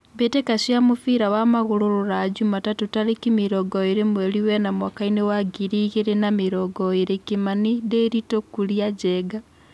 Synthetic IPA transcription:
βetekaʃiamufiɾawamaɣuɾoɾuɾad͡ʒumatatutaɾekimiɾoɡoiɾemweliwenamwakainewaɡiɾiɣeɾenamiɾoɡoiɾekimanideɾitokuliad͡ʒeɡa

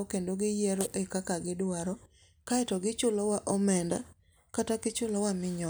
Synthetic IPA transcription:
okendoɡɪjɛɾoʔekakaɡɪdwaɾɔ | kaɛtɔɡɪt͡ʃʊlɔwaʔɔmɛnda̰ | katakɪt͡ʃʊlɔwamɪɲɔ

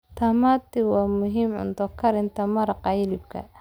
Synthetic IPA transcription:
t̪ʰɐmaːt̪ɪwɑːmʊɦiːmʕʊ̰nt̪ɔkʰɐɾɪnt̪ʰɐmɐɾɑqɑjɪlɪbkʰɐ̰

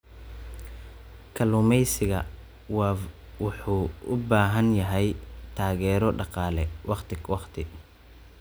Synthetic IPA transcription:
kʰɐlʊmɛjsɪɣɐ | wʊħuːʊbaːɦɐnjɐɦɛjt̪ʰaːɣɛːɾɔɖɑqɑːlɛwɑqt̪ʰɪɡwɑqt̪ʰɪ

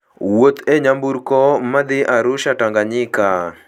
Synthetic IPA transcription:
wot̪eɲambuɾkɔmad̪ɪʔaɾʊʃataŋɡaɲɪka

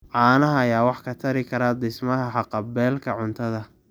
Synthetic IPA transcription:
ʕɑːnɐɦɐjaːwɑħkʰɐt̪ʰɐɾɪkʰɐɾaːd̪ɪsmɐɦɐħɑqɑbɛːlkʰɐʕʊnt̪ʰɐðɐ

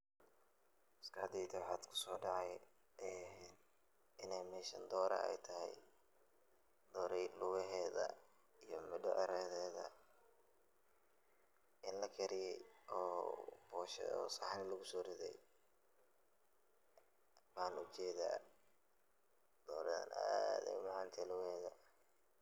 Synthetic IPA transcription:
ɪskʰɐhd̪ɛjt̪ʰawħaːd̪kʰʊ̥sɔːɖɑʕɑj | ʔɛː | ɪnɛjmɛːʃɐnd̪ɔːɾɐ̰ɛ̰jt̪ʰɐɦɛ̰j | d̪ɔːɾɛjlʊwɛɦɛːðɐ̰ | ijɞmɪɖɔʔɐɾɛːðɛːðɐ̰ | ʔɪnlɐkʰɛɾɪjɛjʔɔːbɔːʃɛ̰ɔ̰ːsaħnɪlɐɣʊsɔːɾɪðɛ̰j | baːnʊt͡ʃɛːða̰ː | d̪̥ɔːɾɐðɐ̰na̰ːðɛ̰jmaʕɑnt̪ʰɛlʊɣɛːðɐ

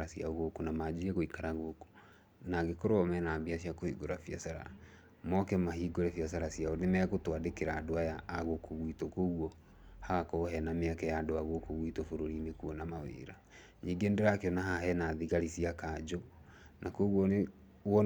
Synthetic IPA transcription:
asiaɣokonamad͡ʑiɾɛɣoikaɾaɣoko̥ | naɡekoɾoɔmɛnaːmbias̬iakohiɡoɾafjasaɾa̰ | mɔkɛmahiɡoɾɛfjas̬aɾasiaonemɛɣotwadekeɾaːdoajaːɣokʰoɣwitokoɣwɔ | haɣakɔhɛnameakɛjaːdoaɣokoɣwitofoɾoɾinekuɔnamawḛːɾa | ɲiɡeːndeɾakeɔnaɦaɦɛnaðiɣaɾisiakad͡ʒo | nakoɣwɔne | wɔ

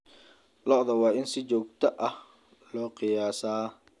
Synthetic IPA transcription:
lɔʔðɐwɑːɪnsɪt͡ʃɔːk̚t̪ʰɐʔɐh | lɔːqɪjaːsaː

